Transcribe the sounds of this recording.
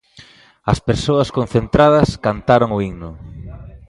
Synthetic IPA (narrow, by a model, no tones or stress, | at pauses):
ɐspeɾsoɐskon̟θent̪ɾað̞ɐskant̪aɾoŋʊiŋnʊ